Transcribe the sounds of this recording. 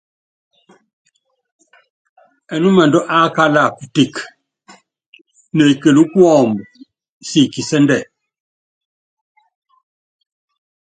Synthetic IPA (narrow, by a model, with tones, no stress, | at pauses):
ɛ˨nu˦ma˨ndɔ˦ʔa˦ka˦la˨ku˨ti˨k | ne˨ke˨lu˦ku˦ɔ˦˨mb | si˨ki˨sɛ˦ndɛ˦˨